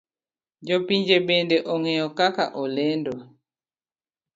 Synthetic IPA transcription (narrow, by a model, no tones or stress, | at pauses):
d͡ʒɔpiɲd͡ʒebendɛʔɔŋɛɔkaka̰ʔɔlɛndwa